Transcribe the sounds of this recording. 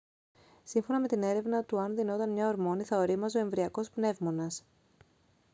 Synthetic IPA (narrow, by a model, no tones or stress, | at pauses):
siɱfo̞nɐme̞t̪ine̞ɾe̞vnɐt̪uɐnðino̞t̪ɐnmɲɐoɾmo̞niθɐoɾimɐsoe̞ɱvɾiɐko̞spne̞vmo̞nɐs